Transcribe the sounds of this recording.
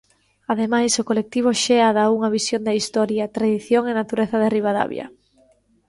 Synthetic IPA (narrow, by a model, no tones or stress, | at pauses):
aðemajsokolek̚t̪iβ̞oʃɛaðauŋɐβisjond̪ɐist̪ɔɾjɐt̪ɾaðiθjoŋenat̪uɾeθɐðɪriβaða̰βj̰ɐ̰